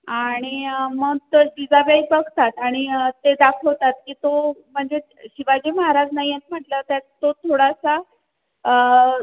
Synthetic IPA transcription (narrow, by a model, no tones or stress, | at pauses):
aɽ̃iməɡ̚t̪əɖid͡zabejbəɡʱt̪at̪aɽ̃iət̪ed̪akʰəʋt̪at̪̚kiːt̪om̤əɳd͡ze | ɕiʋad͡ʑiməɦaɾad͡znajẽt͡sm̤əʈlət̪jat̪ːot̪ʰoɽasa | ə